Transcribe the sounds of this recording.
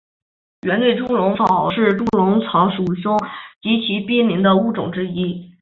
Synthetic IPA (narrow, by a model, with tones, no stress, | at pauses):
ɥɛ˧˥nlwe˥˩ɪʈ͡ʂʊ˥ŋlʊ˧˥ŋfɑ˨˥˩ʊʂɻ̩˥˧t̪u˥lʊ˧˥ŋt͡sʰɑ˧˥ʊʂu˨˩ɕʊ˥ŋt͡ɕi˧˥t͡ɕʰi˧˥pi˥nmi˧˥ŋd̪ə˧u˥˩ʈ͡ʂʊ̰˨˩ŋʈ͡ʂɻ̩˥i˥